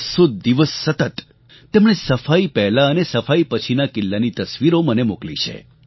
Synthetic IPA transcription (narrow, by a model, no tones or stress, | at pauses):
sod̪iʋəsːət̪ət̪ | t̪emɳesəfaipɛɦlaənesəfaipət͡ʃʰinakɪlːanit̪əsʋiɾomənemuklit͡ʃʰḛ